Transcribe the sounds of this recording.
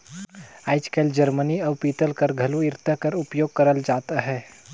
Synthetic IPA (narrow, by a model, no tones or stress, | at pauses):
aːɪt͡ʃkeld͡ʒəɾməniaːpiːt̪əlkəɾɡʱɐluɪɾt̪ʰəkəɾʊpjoːɡ̚kəɾəld͡ʒaːt̪aɦɛː